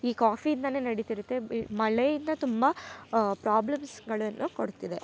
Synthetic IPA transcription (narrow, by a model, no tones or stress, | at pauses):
iːkaːfiːnd̪ɐne̞ːnɐɽit̪iɾut̪ːemɐɭejind̪ɐt̪umbɐpɾaːblɐmsɡɐɭɐnːuko̞ɽt̪id̪e̞